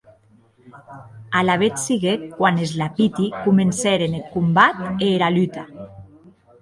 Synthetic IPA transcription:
alaβet̪siɣekːwanezlapit̪ikumenseɾenelkumbat̪eːɾalyt̪a

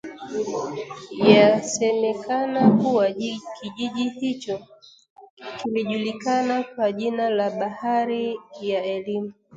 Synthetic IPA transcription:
jasɛmɛkanakuwakʰiʄiʄihit͡ʃɔ | kiliʄulikanakwaʄinalaɓahaɾijaɛlimu

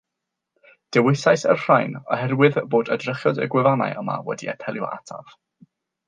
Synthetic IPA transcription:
d̥ɛwɪsajsərr̥ajnɔ̰hɛrwɨðboːdədrəχjɔdə̰ɡwɪvana̰jəma̰wɛ̰diɛ̰tʰɛlˠjɔ̰ʔatʰa̰v̥

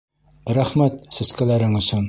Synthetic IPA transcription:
ɾæχmæt̪sɘ̆skælæɾɘŋɵ̆sɵn

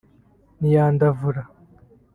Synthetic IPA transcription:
nijaːnd̪avuɾa

